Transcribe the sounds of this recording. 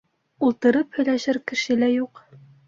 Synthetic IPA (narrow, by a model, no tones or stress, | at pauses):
ulˠt̪ɤ̆ɾɤphɵ̆jlæʃɘɾkɘ̆ʃɘlæjuq